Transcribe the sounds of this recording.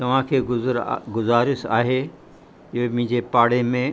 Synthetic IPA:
t̪ɐʋ̤ãkʰeːɡʊɾɡʊzaːɾɪsaːɦe | ɪɦemɪ̃ɪ̃d͡ʑepaːɽemẽ

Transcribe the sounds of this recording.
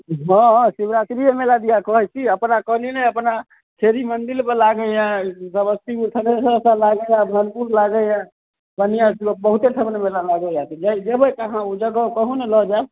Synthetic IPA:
ɦɔ̃sibɾat͡ʃɾijemelad̪ijakɔɦɛt͡ʃʰiəpnakəninəəpna | kʰeɾimənd̪ilpelaɡəjãsəbəst̪ikut̪ʰənesə̃sãlaɡəjãbʱənpuɾlaɡəjã | bənijãsibəɦut̪esʰəbnemelalaɡəjat̪id͡ʒaid͡ʒebəkəɦãud͡ʒəɡəkəɦunelɔd͡ʒab

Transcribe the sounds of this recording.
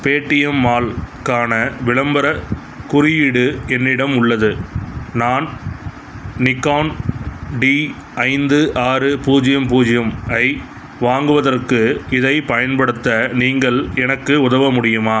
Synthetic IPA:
peːʈːɪjɐmːaːlkaːnɐʋɪɭɐmbɐɾɐ | kʊɾɪjɪɽɯɛnːɪɽɐmʊɭːɐðɯnaːn | nɪkːaːnɖi | ɐɪnd̪ɯʔaːɾɯpuːd͡ʒɪjɐmpuːd͡ʒɪjɐmɐɪ | ʋaːŋɡɯʋɐðɐrkɯɪðɐɪpɐjɐnpɐɽɯt̪ːɐniːŋɡɐɭɛnɐkːɯʊðɐʋɐmʊɽɪjɯmaː

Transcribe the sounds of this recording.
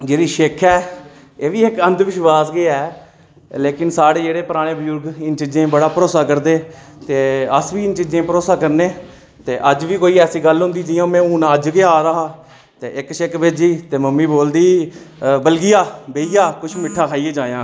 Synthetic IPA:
d͡ʒeːɾiːʃeːkʰɛː | eːʋiːɪkənd̪ʋɪʃʋaːsɡɪɛː | leːkɪnsaːɽeːd͡ʒeːɽeːpəɾaːɽ̃eːbəjʊɾɡɪnt͡ʃɪd͡ʒẽːbəɽaːpəɾoːsaːkəɾd̪eːt̪eːəsʋiːɪnt͡ʃɪd͡ʒẽːpəɾoːsaːkəɾneː | t̪eːʔəd͡ʒʋiːkoːiːɛːsiːɡəlɦʊ̃nd̪iːd͡ʒɪjõːmɛ̃ːuːnaːəd͡ʒkeːaːɾəɦaː | t̪eːɪkʃekbed͡ʒiːt̪eːməmːiːboːld̪iː | bəlɡɪjaːbeːijaːkʊt͡ʃʰmɪʈʰːaːkʰaːiːeːd͡ʒaːjãː

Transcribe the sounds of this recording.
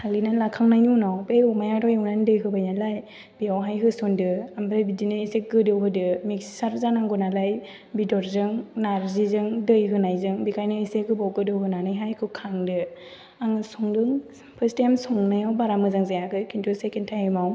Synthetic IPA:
salinalakʰaŋnajnunawbejɔmajatʰɔjɔwnandɯjɦɯbajnalaj | b̥iawɦajɦɯsɔndɯambɾajbidinɯisek̚ɡɯdɯwɦɯdɯmikssaɾzanaŋɡɔnalaj | bidɔɾzɯŋnaɾzizɯŋdɯjɦɯnajzɯŋbikʰajnɯisekɯbawɡɯdɯwɦɯnanɯjɦajkʰɯkʰaŋdɯ | aŋɯsɔŋdɯŋ | pʰɯstajmsɔŋnajawbaɾamɯzaŋzajakɯkʰintʰusekentʰajmaw

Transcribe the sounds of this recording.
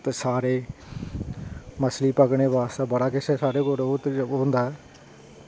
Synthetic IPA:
t̪saːɾeː | məsliːpəɡɽeːbaːst̪aːbəɽaːkɪseːsaːɾeːkoɾoːt̪ɦʊ̃nd̪aːɛː

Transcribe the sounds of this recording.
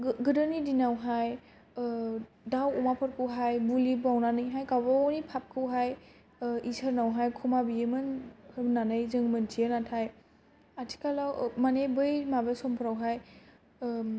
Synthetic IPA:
ɡɯdɯnidinawɦaj | dawɔmapʰɔɾkʰɯwɦajbulibawnanɯjɦajkawbanipʰap̚kʰɯwɦaj | isəɾnawɦajkʰɔmabijemɯnɯnanɯjzɯŋmɯntʰiənatʰaj | atʰi̥kalawmanebɯjmabesɔmpʰɯɾawɦaj

